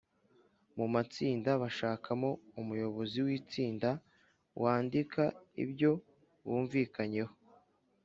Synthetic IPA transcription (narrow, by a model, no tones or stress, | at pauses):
mumat͡siːndaβaʃaːkʰamo̞umujo̞βo̞ziwiːt͡siːnda | wʔaːndikʰaḭbɟo̞ | βuːɱviːkaɲe̞ho